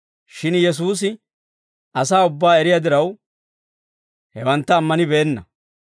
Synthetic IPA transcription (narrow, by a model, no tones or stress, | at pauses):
ʃɪnjɛs̬uːs̬ɪ | ʔɐs̬aːʊbːaːɛɾɪjad̪ɪɾɐw | hɛwɐnt̪ːɐːmːɐnɪbeːnːɐ